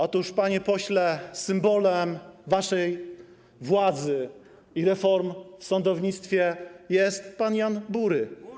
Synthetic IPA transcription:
ɔt̪uʂpaɲɛpɔɕlɛsɘmbɔlɛmvaʂɛj | vwad̪zɘ | iɾɛfɔɾmfsɔnd̪ɔvɲit̪st̪fʲjɛjɛst̪panjanbuɾɘ

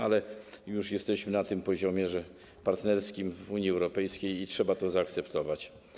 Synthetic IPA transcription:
alɛjuʂjɛst̪ɛɕmɘnat̪ɘmpɔʑɔmʲjɛʐɛ | paɾt̪nɛɾskʲimvuɲjiɛwɾɔpɛjskʲejitʂɛbat̪ɔzaːkt̪sɛpt̪ɔvat͡ɕ

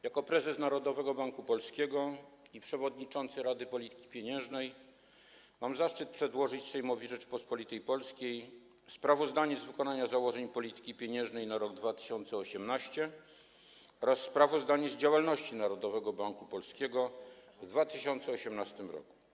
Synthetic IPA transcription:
jakɔpɾɛzɛsnaɾɔd̪ɔvɛɡɔbaŋkupɔlskʲɛɡɔipʂɛvɔd̪̚ɲit͡ʂɔnt̪sɘɾad̪ɘpɔlʲit̪ɘ̥kʲi̥pʲjeɲɛ̃ʐnɛj | mamzaʂt͡ʂɘt̪̚pʂɛd̪wɔʐɘt͡ɕsɛjmɔvʲiʐɛt͡ʂpɔspɔlʲit̪ɛjpɔlskʲej | spɾavɔzd̪aɲɛzvɘkɔnaɲazawɔʐɛɲpɔlʲit̪ɘ̥kʲipʲeɲɛ̃ʐnɛjnaɾɔɡ̚d̪vat̪ɘ̥ɕɔnt̪sɛɔɕɛmnaɕt͡ɕɛ | ɔɾasːpɾavɔzd̪aɲɛzd͡ʑawalnɔɕt͡ɕinaɾɔd̪ɔvɛɡɔbaŋkupɔlskʲɛɡɔvd̪vat̪ɘɕɔnt̪sɛɔɕɛmnast̪ɘmɾɔ̰ku̥

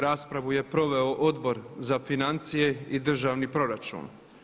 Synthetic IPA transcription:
ɾaːspɾaʋuje̞pɾo̞ʋe̞o̞ʔod̪bo̞ɾzafinant̪sije̞id̪r̩ʒaːʋnipɾo̞ɾat͡ʃṵːn

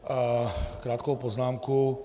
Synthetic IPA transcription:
kɾaːt̪kɔwpɔznaːmku

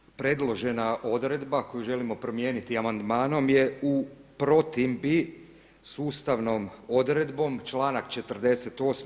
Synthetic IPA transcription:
pɾe̞d̪lˠo̞ʒe̞naʔo̞d̪ɾe̞d̪bako̞juʒe̞limo̞pɾo̞mjeːnit̪iamand̪maːno̞mje̞upɾo̞t̪imbi | suːst̪aʋno̞mo̞d̪ɾe̞d̪bo̞mt͡ʃlˠaːnakt͡ʃe̞t̪ərd̪e̞se̞t̪o̞ːs

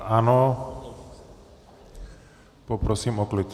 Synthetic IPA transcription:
anɔ | pɔpɾɔsimɔklet͡ʃ

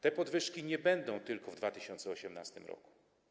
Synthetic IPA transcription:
t̪ɛpɔd̪vɘʂkʲiɲɛbɛnd̪ɔ̃w̃t̪ɘlkɔvd̪vat̪ɘɕɔnt̪sɛɔɕɛmnast̪ɘmɾɔ̰ku̥

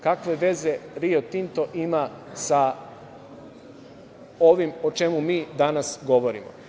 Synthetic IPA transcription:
kakʋe̞ʋe̞ze̞ɾiot̪int̪o̞ʔimasa | o̞ʋimo̞t͡ʃe̞mumiːd̪anasɡo̞ʋo̞ɾḭmo̰

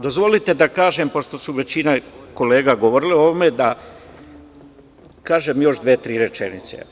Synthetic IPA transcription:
d̪o̞zʋo̞lit̪e̞d̪akaːʒempoʃt̪o̞suʋe̞t͡ɕinako̞le̞ːɡaɡo̞ʋoɾileo̞ʋome̞d̪a | kaːʒemjo̞ʒd̪ʋet̪ɾiːɾet͡ʃḛnḭt̪sḛ

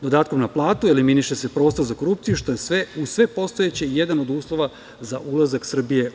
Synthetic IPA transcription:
d̪o̞d̪aːt̪ko̞mnaplˠaːt̪ueliminiʃese̞pɾo̞ːst̪oɾzako̞ɾupt̪sijuʃt̪o̞jesʋeusʋe̞po̞st̪o̞et͡ɕeijed̪ano̞d̪uːslˠo̞ʋa | zaʔulˠazaksr̩bije̞

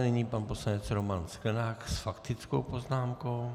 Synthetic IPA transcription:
nɛɲiːpanposlanɛt͡sɾomansklɛnaːksfakt̪ɪt͡sko̰wpoznaːmkow

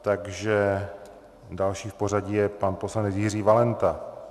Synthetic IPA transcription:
t̪aɡʒɛ | dalʃiːfpo̞r̝aɟijɛpanpo̞slanɛt͡sjɪriːvalɛnt̪a

